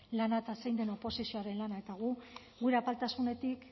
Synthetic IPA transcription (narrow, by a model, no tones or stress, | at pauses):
lanaet̪asejnd̪e̞no̞po̞sisio̞aɾe̞nlanae̞t̪aɣ̞u | ɣuɾe̞apalt̪asune̞t̪ik